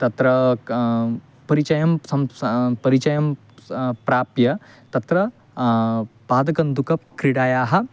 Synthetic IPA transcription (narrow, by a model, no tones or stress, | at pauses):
t̪ɐt̪ɾɐ | pɐɾit͡ʃɐjɐmsɐmpɐɾit͡ʃɐjɐm | pɾaːpjɐ | t̪ɐt̪ɾɐ | paːd̪ɐkɐnd̪ukɐp̚kɾiɽaːjaːɦɐ̆